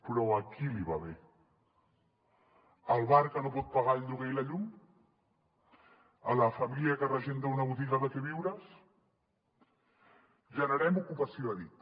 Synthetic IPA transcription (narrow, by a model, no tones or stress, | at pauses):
pɾɔɐkiliβaβe | əlˠβaɾkənopɔt̪̚paɣaʎʎuɣejlɐʎum | əlɐfamiliakərəʒend̪əunɐβut̪iɣəðəkeβiwɾəs | ʒənəɾɛmukupɐsioɐðit̪